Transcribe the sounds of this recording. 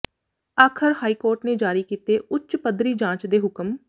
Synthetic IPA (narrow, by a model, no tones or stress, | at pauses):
aːkʰəɾhaːiːkoːɾʈneːd͡ʒaːɾiːkiːt̪eːʔʊt͡ʃpəd̪ɾiːd͡ʒãːt͡ʃd̪eːɦʊkəm